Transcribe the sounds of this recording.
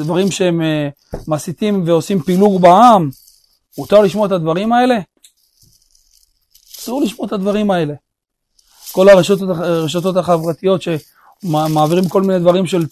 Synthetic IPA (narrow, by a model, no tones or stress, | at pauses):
dvaʁimʃeemː | asit̪imve̞o̞simpiluɡbaamː | ut̪aʁliʃmo̞et̪ad̪vaʁimae̞le̞ | asuʁliʃmo̞et̪ad̪vaʁimae̞le̞ | ko̞laʁeʃot̪ʁeʃ̬at̪o̞t̪haχavʁat̪ijo̞t̪ʃe̞ | maːviʁimbko̞lmined̪vaʁimʃe̞l